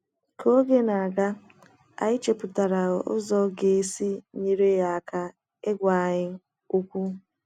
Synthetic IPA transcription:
kʰo˦ɡe˦na˨a˨ɡa˦ | a̰˨ɪ˦t͡ʃe˨pʊ˨ta˨ɾa˨ʔʊ̰˦zɔ˦ɡe˨e˦si˦ɲi˦ɾe˦ja˨a˨ka˦ | e˦ɡʷa˨ɲɪ˦ | u˦kʷu˦

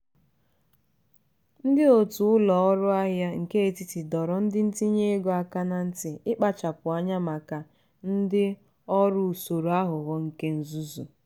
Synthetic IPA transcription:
n̩˦dɪ˦o˨tu˨ʊ˦lɔ˨ɔ˦ɾʊ˦a˦ɦja˦ŋ̩˨ke˦e˨ti˨ti˨dɔ˨ɾɔ˨n̩˦dɪ˦n̩˦ti˦ɲe˦ɡo˦a˨ka˦na˨n̩˦tɪ˨ɪ˦k͡pa˨t͡ʃa˨kʷʊ˨a˨ɲa˦ma˨ka˨ | n̩˦dɪ˦ | ɔ˦ɾʊ˦u˨so˨ɾu˨a˦ɦʊ˨ɣɔ˦ŋ̩˨ke˦n̩˨zu˦zṵ˨

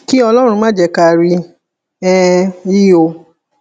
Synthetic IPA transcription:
ki˦ɔ˧lɔ˦ɾ̃ũ˧mãː˦d͡ʒɛ˧˦ka˧˨ɾi˧ | ɛ˧i˦o˧

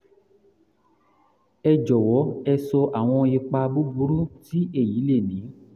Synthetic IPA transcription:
ɛ˧d͡ʒɔ˨wɔ˨˦ɛ˧sɔ˧ʔa˦˨w̃ɔ̃˧e˧k͡pa˧bu˦bu˨˦ɾu˦ti˦e˦˨ji˨˦le˦˨nĩ˨˦

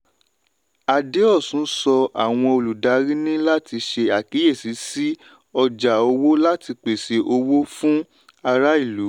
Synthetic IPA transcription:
a˨de˨˦ɔ˦˨sũ˨˦sɔ˧a̰˨w̃ɔ̃˧o˧lu˨da˨˧˦ɾi˦nĩ˦la˦ti˧ʃe˧a˨ki˨˦je˦˨si˨˦si˦ | ɔ˧d͡ʒa˨o˧wo˦la˦ti˧k͡pe˨se˨˦ʔo˧wo˦fũ˦ | a˧ɾa˦i˦˨lu˨˦

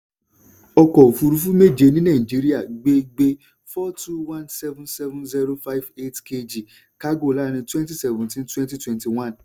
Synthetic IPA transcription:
ɔ˧kɔ˨o˨fu˧ɾu˨˦fu˦me˦˨d͡ʒe˧nĩ˦nã˦˨ĩ˨d͡ʒi˦ɾi˦a˦˨ɡ͡be˦ɡ͡be˦ | fɔ˦tʰu˦wã˦nsɛ˦vũ˦nsɛ˦vũ˦nzi˦ɾo˦fa˦i˦ve˦tke˧d͡ʒi˨ | ka˦ɡo˦˨la˦ɾ̃ĩ˧twɛ̃˦nti˦˨sɛ˨vũ˨tĩ˦ntwɛ̃˦nti˦twɛ̃˨nti˨w̃ã˦˨n

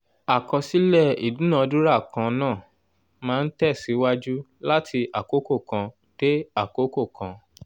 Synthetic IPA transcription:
a˨kɔ̃˧si˨˦lɛ˦˨ḭ˨dũ˨˦nã˦˨˧dũ˦ɾa˦˨kã˧nãː˦˨ | mãː˦˧n̩˦tɛ˦˨si˨˦wa˦d͡ʒu˦la˦tʰi˧a˨ko˨˦ko˦˨kã˧ | te˦a˦˨ko˨˦ko˦˨kʰã˨˧

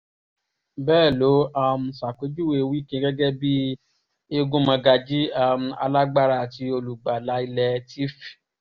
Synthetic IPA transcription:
bɛː˦˨lo˨˦a˧m̩̃˧sa˨ke˨˦d͡ʒu˦we˧˨˧wi˦kĩ˧˦ɡɛ˦ɡɛ˦bi˦ | e˦˧ɡũ˦mã˧ɡa˧d͡ʒi˦a˦˧m̩̃˧a̰˧la˦ɡ͡ba˦ɾa˧˨ti˧˦o˧lu˨ɡ͡ba˨la˨˦i˧lɛ˧tʰi˦fi̥˨

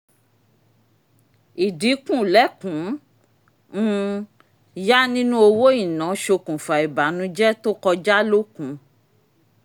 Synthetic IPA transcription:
i˨di˨˦kũ˦˨lɛ˦kũ˨˦ | ja˦nĩ˦nũ˦o˧wo˦i˦˨nã˨˦ʃo˧kũ˨fa˨i˨ba˨nũ˨˦d͡ʒɛ˦to˦kɔ˧d͡ʒa˦lo˦kũ˨˦

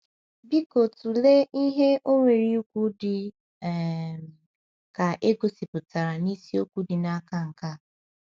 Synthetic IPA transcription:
bi˦ko˨tu˨le˦i˦ɦe˦ʔo˦ŋʷe˨ɾi˦u˦kʷu˦dɪ˨ | ka˨ʔe˦ɡo˨si˨pʊ˨ta˨ɾa˨ni˦si˦o˦kʷu˦dɪ˨na˦ka˦ŋ̩˨ka˦

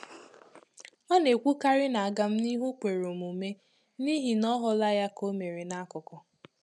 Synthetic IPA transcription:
ɔ˦ne˨kʷu˦ka˦ɾɪ˦na˨a˨ɡa˨m̩˦ni˦ɦu˦kʷe˨ɾo˨mu˨me˦ | ni˦ɦi˨nɔ˦ɦʊ˨la˦ja˦ko˦me˨ɾe˨na˦kʊ˨kɔ˨

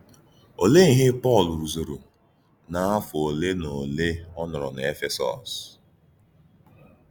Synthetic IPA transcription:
o˨le˦i˨ɦɪ˦pɔ˦˨lu˨ɾu˨zo˨ɾu˨ | na˨a˦fʊ˨o˨le˦no˨le˦ɔ˦nʊ˨ɾɔ̰˨na˨e˦fe˦sɔ̰˨s

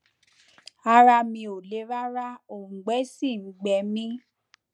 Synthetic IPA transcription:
a˧ɾa˧mĩ˧o˨le˨˦ɾa˦ɾa˦o˨ŋ̩˨ɡ͡bɛ˨˦si˦˨ŋ͡m̩˨˦ɡ͡bɛ˧˦mĩ˦

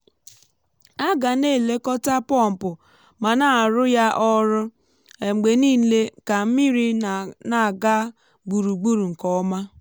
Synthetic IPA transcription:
a˦ɡa˨ne˦˨le˦kɔ˦ta˦pɔ˦˨m̩˨pʊ˨ | ma˨na˨ɾʊ˦ja˦ʔɔ˦ɾʊ˦ | e˨ŋ͡m̩˨ɡ͡be˨niː˦le˦ka˨m̩˦mi˦ɾi˦na˨ɡa˦ | ɡ͡bu˨ɾu˨ɡ͡bu˦ɾu˨ŋ̩˨kɔ˨ɔ˦ma˦

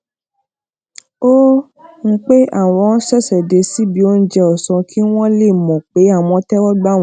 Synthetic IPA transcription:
o˦ | ŋ̩˦k͡pe˦a˦˨w̃ɔ̃˧˦sɛ˦˨sɛ˨de˨˧si˦bi˨˦o˦n̩˦d͡ʒɛ˧ɔ˨sɔ̃˧kʰi˦w̃ɔ̃˦le˦˨mɔ̃˨k͡pe˨˦a˦˨w̃ɔ̃˧˦tɛ˦wɔ˦ɡ͡ba˦˨w̃

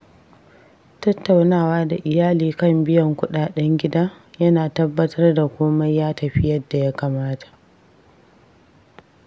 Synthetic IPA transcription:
tɐ˦tːa˨wnaː˦˨waː˦da˨ʔɪ˨jaː˦liː˨kɐ˦˨mbɪ˦jɐ˨ŋkʷʊ˦ɗaː˨ɗɛ˦ŋɡʲɪ˦daː˦ | jɐ˦naː˨tɐ˦bːɐ˦tʰɐ˦rda˨kʷoː˦mɐ˦jjaː˦tɐ˨ɸɪ˦jɐ˦dːa˨ja˦kaː˨maː˦tʰḁ˨ʔ

